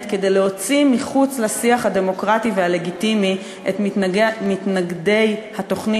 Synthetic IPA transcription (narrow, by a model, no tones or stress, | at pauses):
tked̪e̞jleɦo̞t͡simiχut͡slasiaχhade̞mo̞kʁativehale̞ɡitimi | ʔetmitnaɡde̞jhato̞χni